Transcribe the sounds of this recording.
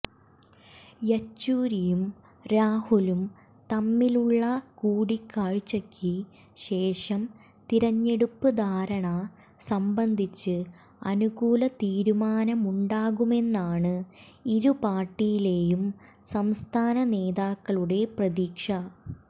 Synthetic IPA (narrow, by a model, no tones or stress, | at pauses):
jɐt͡ɕːuːɾijum | ɾaːhulum | t̪ɐmːiluɭːɐkuːɽikːaːɻt͡ɕːɐkʰːi | ɕe̞ːʂɐm | t̪iɾɐɲːe̞ɽupːɨd̪ʱaːɾɐɳɐ | sɐmbɐnd̪ʱit͡ɕːɨ | ɐ̰nuɣuːlɐt̪iːɾumaːnɐmuɳɖaːɣume̞nːaːɳɨ | iɾupaːrʈːijile̞ːjumsɐmst̪ʰaːnɐne̞ːðaːkːɐɭuɽe̞prɐðiːkʂɐ